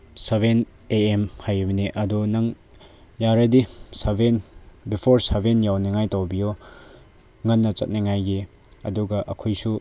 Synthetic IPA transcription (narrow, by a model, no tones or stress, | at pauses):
seβen | eemhajibɐniʔɐdunɐŋ | jaɾɐdisɐbenbipʰoɾsɐbʱenjawniŋajtawbijo | ŋɐnːɐt͡ʃɐ̰t̚niŋajɡi | ɐduɡɐʔɐkʰojsu